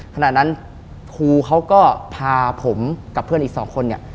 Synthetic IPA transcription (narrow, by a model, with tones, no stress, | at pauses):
kʰa˧naː˨˩t̪̚na˦˥n | kʰuː˧kʰa˦˥wkɔː˥˩pʰaː˧pʰo˩˦mka˨˩pʰɯ˥˩ənʔiː˨˩k̚sɔː˩˦ŋkʰo˧ni˥˩ə